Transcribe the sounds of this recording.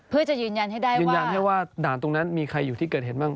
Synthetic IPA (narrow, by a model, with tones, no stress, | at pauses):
pʰɯ˥˩ɐt͡ɕa˨˩ʔjɯː˧nja˧nha˥˩jdaː˥˩jjɯː˧nja˧nhɦa˥˩jwaː˥˩daː˨˩˦nt̪o˧ŋna˦˥nmiː˧kʰa˧jːuː˨˩t̪ʰiː˥˩kɤː˨˩t̪̚he˨˩nmaː˥˩ŋ